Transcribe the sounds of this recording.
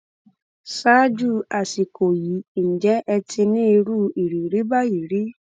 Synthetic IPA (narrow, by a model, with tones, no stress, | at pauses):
sa˦d͡ʒu˦˨a˨si˨kʰo˨ji˨˦n̩˨d͡ʒɛ˨˦ʔɛ˧tĩ˧nĩ˦i˧ɾu˦˨i˨ɾi˨ɾi˨˦ba˦i˨ɾi˨˦